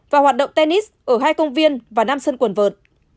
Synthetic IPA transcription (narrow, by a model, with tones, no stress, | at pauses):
vaː˨˩hwaː˨˩t̚ɗə̰˧˨wŋ͡mt̪e˧ni˦˥sʔəː˧˩ɦaː˧jkə˧wŋ͡mvi˧ənvaː˨˩naː˧msə˧nkwə˨˩nvəː˨˩t̚